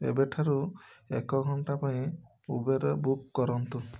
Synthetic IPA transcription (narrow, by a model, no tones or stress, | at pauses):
ḛbeʈʰaɾuekɔɡʱɔɳʈapaĩ | ubeɾɔbukːɔɾɔnt̪u